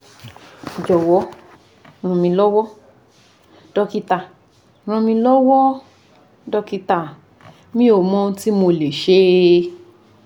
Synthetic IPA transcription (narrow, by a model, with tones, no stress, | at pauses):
d͡ʒɔ˨wɔ˨˦ | ɾ̃ɔ̃˧mĩ˧lɔ˦wɔ˦ | d̥ɔ˧ki˧ta˨ | ɾ̃ɔ̃˧mĩ˧lɔ˦wɔ˦ | dɔ˧ki˧ta˨ | mĩ˦o˨mɔ̃˦˧˦ti˦mo˧le˨ʃe˦